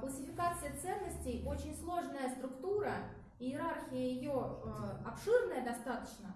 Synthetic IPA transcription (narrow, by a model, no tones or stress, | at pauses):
kəlˠʲsʲɪfʲɪkat̪sɨjət̪sɛnːəsʲtʲɪjo̞t͡ɕɪnʲslˠo̞ʐnəjəst̪ɾʊkt̪uɾə | ɪɪɾarxʲɪjəjɪjoɐpʂɨrnəjəd̪ɐst̪at̪ə̥t͡ɕnə